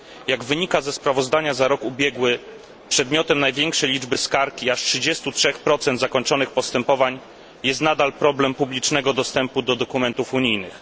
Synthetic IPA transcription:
jaɡvɘɲikazɛspɾavɔzd̪aɲazaɾɔkubʲjɛɡwɘ | pʂɛd̪mʲjɔt̪ɛmnajvʲjɛŋkʂɛjlʲid͡ʐbɘskaɾkʲiaʂtʂɘd͡ʑɛst̪utʂɛxpɾɔt̪sɛnd̪zakɔɲt͡ʂɔnɘxpɔst̪ɛmpɔvaɲ | jɛst̪nad̪alpɾɔblɛmpublʲit͡ʂnɛɡɔd̪ɔst̪ɛmpud̪ɔd̪ɔkumɛnt̪ufuɲijnɘx

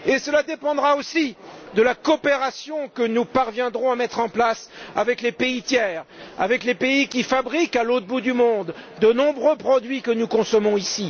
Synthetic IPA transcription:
esəlad̪epɑ̃d̪ʁaosid̪əlakɔpeʁasjɔ̃kənupaʁvjɛ̃d̪ʁɔ̃amɛt̪χɑ̃plasavɛklepeit̪jɛːʁa̰vɛklepeikʲifabʁikalot̪bud̪ymɔ̃d̪ːənɔ̃bʁøpχɔd̪ɥikənukɔ̃sɔmɔ̃isi

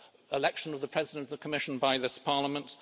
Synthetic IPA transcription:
ɪlɛkʃə̃nʌvðəpʰɹ̥ɛzɪɾə̃ntʌvðəkʰəmɪʃn̩baɪðɪspʰɑɹləmə̃nt

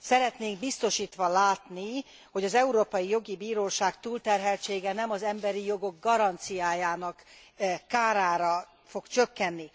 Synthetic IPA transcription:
sɛɾɛt̪neːŋɡbist̪o̞ʃiːt̪ʋɒlaːt̪ni | ho̞ɟɒzɛuɾoːpɒjijo̞ɡibiːɾoːʃaːkt̪uːlt̪ɛrɦɛlt͡ʃeːɡɛnɛmɒzɛmbɛɾijo̞ɡo̞ɡɡɒɾɒnt̪sijaːjaːnɒkː | aːɾaːɾɒ | fo̞kt͡ʃø̞kːɛnːi

